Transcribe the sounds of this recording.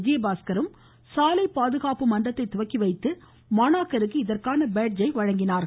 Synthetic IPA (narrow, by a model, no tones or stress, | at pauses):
d͡ʒɪjɐbaːskɐɾɯm | saːlɐɪpːaːðɯɣaːpɯmɐnɖɐt̪ːɐɪt̪ːʊʋɐkːiʋɐɪt̪ːɯ | maːnaːkːɐɾɯk̬ːɯɪðɐrkaːnɐbeːʈ̚d͡ʒɐɪʋɐɻɐŋɡɪnaːɾ